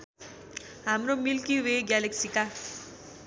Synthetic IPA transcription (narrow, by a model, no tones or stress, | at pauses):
amɾomilkiʋeɡaleksika